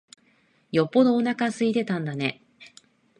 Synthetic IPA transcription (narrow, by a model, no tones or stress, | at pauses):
jo̞pːo̞d̪oːnakasɨit̪e̞t̪ãnd̪ane̞